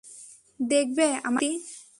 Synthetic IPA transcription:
d̪ek̚ʰbea̰mai

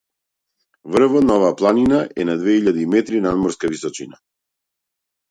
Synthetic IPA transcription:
vr̩vɔt̪̚naɔvaːplˠaninaʔɛnad̪vɛiʎad̪iːmɛt̪ɾinad̪mɔɾskavisɔt͡ʃina̰

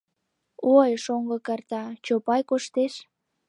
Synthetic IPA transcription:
ojʃoŋɡɤ̆kɑrt̪ɑt͡ɕopɑjkoʃt̪eʃ

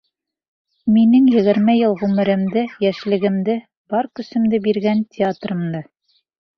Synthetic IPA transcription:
minɘŋjɘ̆ɡɘ̆ɾmæjɤlˠʁʉmɘ̆ɾɘ̆md̪ɘjæʃlɘ̆ɡɘ̆md̪ɘ | bɒɾkɵ̆sɘ̆md̪ɘbiɾɡæntʲʰɪat̪rɤ̆md̪ɤ

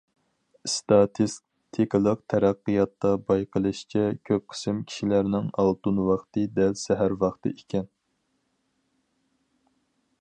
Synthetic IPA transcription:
st̪ɑt̪ʰis | t̪ʰikʲlˠəqt̪ʰæɾæqːɨjɑt̪ːɑbɑjqʰəlˠɨʃi̥t͡ʃʰɛkʲʰøp̚qʰə̥sɪmkʲʰi̥ʃilæɾnɪŋɑlˠt̪unwɑχt̪ɨd̪ɛlsɛɦæɾwɑχt̪ɨ̰ʔekʲɛn

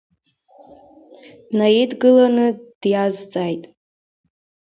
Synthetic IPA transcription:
najidɡɨlanɨd̥jazt͡sʼajtʼ

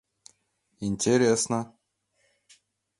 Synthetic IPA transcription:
inʲt̪ʲeɾʲesna

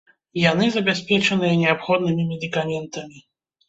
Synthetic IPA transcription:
janɨzɐbʲɛspʲɛt͡ʃɨnɨjɛnʲɛapxɔd̪nɨmʲimʲɛd̪ʲɨkamʲɛnt̪ɐmʲi

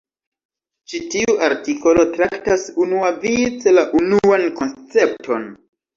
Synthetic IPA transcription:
t͡ʃitiuʔaɾtikʰo̞lo̞tɾaktasunuavit͡selaʔunuanko̞nst͡se̞p̚tʰo̞n

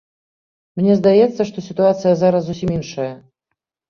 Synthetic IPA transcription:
mnʲɛzd̪ajɛt̪sːɐʂt̪ɔsʲit̪uat̪sɨjɐzaɾɐszusʲiminʂɐjɐ

